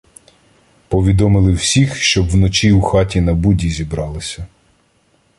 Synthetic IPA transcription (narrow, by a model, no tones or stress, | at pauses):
pɔʋʲid̪ɔmɪlˠɪwsʲixʃt͡ʃɔbwnɔt͡ʃiwxɑtʲinɐbudʲizʲibɾɑlˠɪsʲɐ